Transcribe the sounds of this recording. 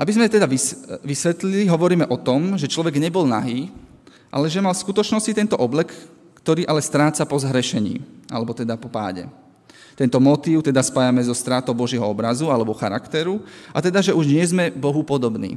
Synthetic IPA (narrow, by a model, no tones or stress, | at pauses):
ʔabizmɛt̪ɛd̪aʋiʋisʋɛt̪liliɦɔʋɔɾiːmɛʔɔt̪ɔmʒɛt͡ʃlɔʋɛɡɲɛbɔlnaɦiː | ʔa̰lɛʒɛmalfskut̪ɔt͡ʃnɔscit̪ɛnt̪ɔʔɔblɛk | kt̪ɔɾiːʔalɛst̪ɾaːt͡sapɔzɦɾɛʃɛɲḭːʔa̰lɛbɔt̪ɛd̪apɔpa̰ːɟɛ̰ | t̪ɛnt̪ɔmɔt̪iːʊt̪ɛd̪aspajamɛzɔst̪ɾat̪ɔʊbɔʒɪɛɦɔɔbɾazualɛbɔxaɾakt̪ɛɾuʔat̪ɛd̪aʒɛʔuʒɲɪɛzmɛbɔɦupɔd̪ɔbnḭː